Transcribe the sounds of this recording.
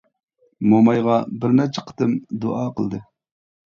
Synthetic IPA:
momɑjʁɑbɪɾnɛt͡ʃʰɛ̥qʰə̥t̪ɨmd̪oʔɑːqʰəlˠd̪ɨ

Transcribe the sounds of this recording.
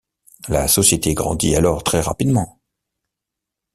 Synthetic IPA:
lasɔsjet̪eɡʁɑ̰̃d̪ialɔʁt̪χɛʁa̰pid̪mɑ̃

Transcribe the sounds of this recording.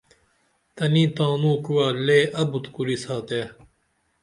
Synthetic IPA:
t̪ɐnĩːt̪ãːnũːkuwaːleːʔɐbut̪kuɾisaːt̪e

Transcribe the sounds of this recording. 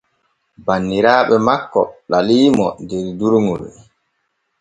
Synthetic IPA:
banːiɾaːɓɛmakːɔ̰ɗaliːmɔ̰deɾduɾŋuɾɛ̰

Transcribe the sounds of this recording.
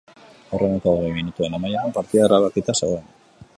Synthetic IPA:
orenet̪aoɣejminut̪ue̞nemajaɾampaɾt̪iðaraβakit̪asawen

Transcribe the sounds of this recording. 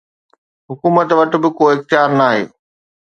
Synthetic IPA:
ɦʊkuːmət̪ʋɐʈ̆bɪkoːɪxt̪ɪjaːɾnaːɦḛː

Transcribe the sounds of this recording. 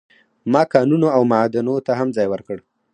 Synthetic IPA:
mɑkɑnunoawmad̪anot̪aɦamd͡zɑjwəɾkəɽ

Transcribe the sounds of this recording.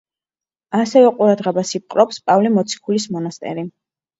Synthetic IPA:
asɛvɛqʼuɾad̪ʁɛbasip̚qʼɾɔpspʼavlimɔt̪sʰi̥kʰulismɔnast̪ʼɛ̰ɾi

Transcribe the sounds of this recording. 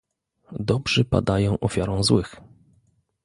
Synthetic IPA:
d̪ɔbʐɛpa̰d̪ajɔ̃w̃ʔɔfʲjaɾɔ̃w̃zwɘx

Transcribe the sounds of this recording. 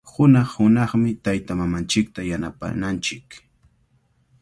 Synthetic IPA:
hʊnɑχhʊnɑχmɪt̪ajt̪amamant͡ʃɪk̚t̪ajanapa̰nant͡ʃɪk

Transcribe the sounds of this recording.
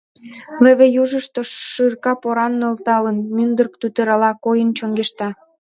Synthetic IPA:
leβejuʒəʃt̪oʃɯrkɑpoɾɑnːølt̪ɑlənmynd̪ərk̚t̪yt̪əɾɑlɑkojənt͡ɕoŋɡeʃt̪ɑ

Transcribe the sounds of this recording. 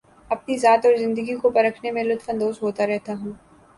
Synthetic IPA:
ɐp̚nizaːt̪ɔːɾzɪ̃nd̪əɡikopɐɾəkʰnemẽlʊt̪fə̃nd̪oːsɦoːt̪aɾɛɦt̪aɦũː

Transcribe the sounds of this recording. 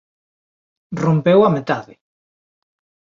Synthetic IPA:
rompewamet̪aðɪ̰

